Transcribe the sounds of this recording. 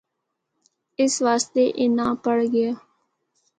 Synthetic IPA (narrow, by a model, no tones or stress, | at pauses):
ɪsʋaːst̪eːʔɪnãːpəɽɡɪjaː